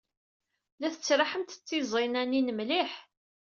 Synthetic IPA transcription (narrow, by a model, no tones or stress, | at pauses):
læθət͡sːɾˤaħəmt̪ət͡sːizˤinæninəmliħ